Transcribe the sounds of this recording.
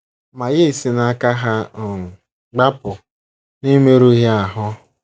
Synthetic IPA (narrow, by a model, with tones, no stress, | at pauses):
ma˨ɣe˦˨si˨na˦ka˦ɦa˦˨ | ɡ͡ba˦pʊ˨ | ni˦me˦ɾu˦ɦɪ˦a˨ɦʊ˦